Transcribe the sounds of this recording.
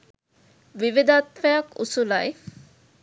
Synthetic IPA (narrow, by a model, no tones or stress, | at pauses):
ʋiʋid̪at̪fɛjɐkṵsulɐj